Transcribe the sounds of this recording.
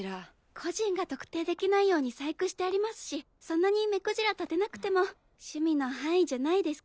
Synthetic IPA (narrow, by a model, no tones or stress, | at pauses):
ɾa | kʰo̞ʑĩŋɡat̪o̞kɯ̟̥t̪e̞ːd̪e̞kʲinaijo̞ːɲ̟isaikɯ̟ɕi̥t̪e̞aɾʲimasɨ̥ɕi | sõ̞nːaɲ̟ime̞koʑiɾat̪at̪e̞nakɯ̟̥t̪e̞mo̞ | ɕɨmʲino̞ɦãɰ̃iʑanaid̪e̞sɨ̥